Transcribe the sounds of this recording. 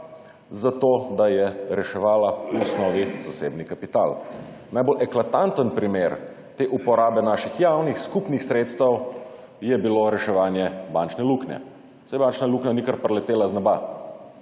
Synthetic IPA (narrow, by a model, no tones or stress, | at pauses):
zat̪od̪ajɛɾɛʃɛʋaːlauɔsnɔːʋizaseːbnikapit̪a̰l | najbolʔɛklat̪ant̪ənpɾimeɾ | t̪eʔupɔɾaːbɛnaːʃixjaːwnixskupnixsɾeːt̪st̪əw | jɛbiloɾɛʃɛʋaːnjɛbant͡ʃnɛluknɛ̰ | sajbant͡ʃnaluknanikaɾpɾlɛt̪eːlaznɔba